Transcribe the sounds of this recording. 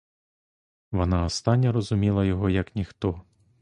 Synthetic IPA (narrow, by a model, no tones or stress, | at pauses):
ʋɔnɑɔst̪ɑnʲːɐɾɔzʊmʲilˠɐjɔɦɔjɐknʲixt̪ɔ